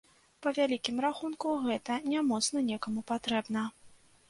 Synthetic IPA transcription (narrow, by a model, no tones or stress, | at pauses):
pɐvʲalʲikʲimraxunkuɣɛt̪ɐnʲamɔt̪snɐnʲɛkɐmupat̪ɾɛbnɐ